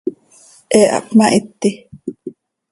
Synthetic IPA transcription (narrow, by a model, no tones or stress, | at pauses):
ʔɛʔa̰pmaʔit̪ːi